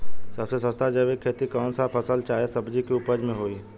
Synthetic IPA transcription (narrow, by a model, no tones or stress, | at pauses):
sɐbsesə̃st̪ad͡ʒəʋekʰeːt̪ikɔːnsapʰəsəlt͡ʃaːesəbd͡ʒikiʊpəd͡ʒmẽɦoːiː